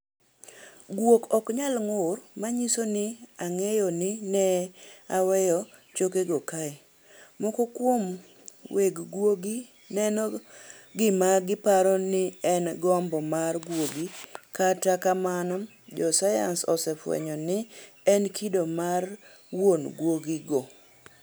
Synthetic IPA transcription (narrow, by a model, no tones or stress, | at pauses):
ɡwokɔkɲalŋʊrmaɲisonɪaŋɛjɔnɪnɛawɛjɔ | t͡ʃokeɡɔkaɛ | mɔkokwom | weɡɡwoɡi | nɛnɔɡɪmaɡɪpaɾɔnɪɛnɡɔmbɔmarɡwoɡikatakamanɔ | d͡ʒɔsaja̰nsɔ̰sɛfwɛ̰ɲɔnɪ | ɛnkʰidomar | wonɡwoɡiɡɔ